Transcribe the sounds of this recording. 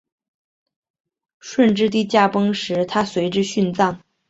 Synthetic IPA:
ʂwə˥˧nʈ͡ʂɻ̩˥˧t̪̬i˥˧t͡ɕja˥˩pɤ˥ŋʂɻ̩˧˥t̪ʰa˥swe˧˥ɪʈ͡ʂɻ̩˥ɕy˥˧nt͡sɑ˥˩ŋ

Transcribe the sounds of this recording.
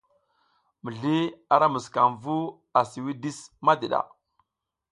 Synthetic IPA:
mə˨ɮi˦a˦ɾa˦mə˨ska˨mvu˦ | a˨si˨wi˦di˦sma˦di˨ɗa̰˨

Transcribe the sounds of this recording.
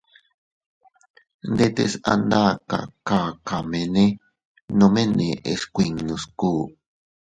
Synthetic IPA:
nd̪e˦t̪ḛ˦sa̰˧nd̪a˦ka̰˨ka˨ka˨me˨ne˦ | no˧mẽ˦ne˨ʔḛ˨skʷi˨ŋnũ˨skuː˦

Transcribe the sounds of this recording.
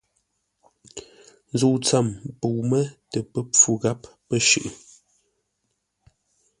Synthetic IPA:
n˦zu˦˨t͡sa˦˨mpo˨mə˦tə˨pə˦p͡fu˦ɣa˦pːə˦ʃʉ˨ʔɨ˨

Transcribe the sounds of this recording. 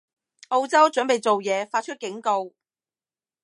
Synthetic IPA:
ʔo˧wt͡sɐ˥wt͡ʃɵ˨˥npe˨jt͡so˨wjɛː˨˧faː˧t̚t͡ʃʰɵ˥t̚kɪ˨˥ŋko˧w

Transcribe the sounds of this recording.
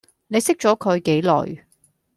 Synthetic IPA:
ne˨˧jsɪ˥k̚t͡ʃɔː˨˥kʰɵ˨˧ɥke˨˥jlɔ̰ː˨j

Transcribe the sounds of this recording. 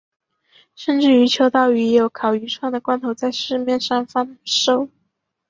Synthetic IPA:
ʂə˥˧nʈ͡ʂɻ̩˥˩y˧˥t͡ɕʰjo˧˥ʊt̪ɑ˥˩ʊy˧˥jo˨˥ʊkʰɑ˨˩ʊy˧˥ʈ͡ʂʰwɑ˥˩ŋd̪ə˩kwa˥nt̪ʰo˧˥ʊt͡sa˥˧ɪʂɻ̩˥˧mjɛ˥˧nʂɑ˥˩ŋfɑ˥ŋʂo˥˩ʊ

